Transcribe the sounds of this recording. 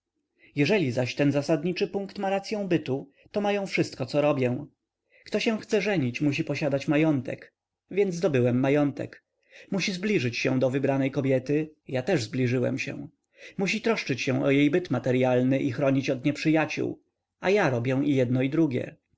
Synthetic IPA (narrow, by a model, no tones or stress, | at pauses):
jɛʐɛlʲizaɕt̪ɛnzasad̪ɲit͡ʂɘpũŋkt̪maɾat̪sʲjɔ̃w̃bɘt̪u | t̪ɔmajɔ̃w̃fʂɘst̪̚kɔt̪sɔɾɔbʲjɛ̃ | kt̪ɔɕɛ̃w̃xt̪sɛʐɛɲit͡ɕmuɕ̬ipɔɕad̪at͡ɕmajɔnt̪ɛ̰k | vʲjɛnd̪zzd̪ɔbɘwɛmːajɔnt̪ɛ̰k | muɕizblʲiʐɘt͡ɕɕɛ̃d̪ɔvɘbɾanɛjkɔbʲjɛt̪ɘjat̪ɛʐzblʲiʐɘwɛ̰mɕɛ̰w̃ | muɕit̪ɾɔʂt͡ʂɘt͡ɕɕɛ̃ʔɔjejbɘt̪mat̪ɛɾjalnɘʔixɾɔɲit͡ɕɔt̪ɲɛpʂɘjat͡ɕṵw | ajaɾɔbʲjɛ̃ijɛd̪nɔid̪ɾuɡʲjɛ̰